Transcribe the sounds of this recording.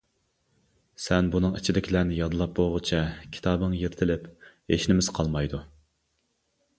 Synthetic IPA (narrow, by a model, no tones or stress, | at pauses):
sɛnbunɨŋit͡ʃʰid̪ɪkʲʰilæɾnɪjɑd̪ɨlˠɑp̚boʁʊt͡ʃʰɛkʲʰi̥t̪ʰɑːbɨŋjeɾt̪ʰɪlɪp | eʃnɪmɪzqʰɑlˠmɑjd̪u